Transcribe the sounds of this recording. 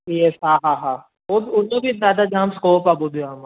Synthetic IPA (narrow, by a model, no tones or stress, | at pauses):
jesɦãːɦãɦãː | oːbʊnːõbʱizaːd̪ad͡ʒãːmskoːpaːbod̪ʱuaːma